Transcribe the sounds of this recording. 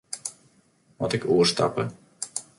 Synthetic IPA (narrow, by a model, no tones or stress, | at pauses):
mɔtɪkuərsta̰pə